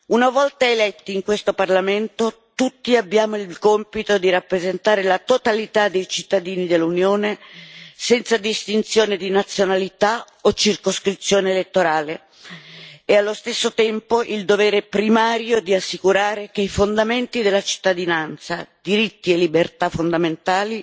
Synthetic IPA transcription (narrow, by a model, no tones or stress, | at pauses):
unavɔlt̪aelɛt̪ːiːŋkwest̪oparlament̪o | t̪ut̪ːiabːjaːmoilkɔmpit̪od̪iɾapːɾezent̪aːɾelat̪ot̪alit̪ad̪ːejt͡ʃit̪ːad̪iːnid̪elːunjoːnesɛnt̪sad̪ist̪int̪sjoːned̪inat̪sjonalit̪a | ot͡ʃirkoskɾit̪sjoːneːlet̪ːoɾaːle | ealːost̪esːot̪ɛmpoʔild̪ovɛːɾepɾimaːɾjod̪iasːikuɾaːɾek̟eifond̪ament̪id̪elːat͡ʃi̥t̪ːad̪inant̪sad̪iɾit̪ːielːibert̪afond̪ament̪aːli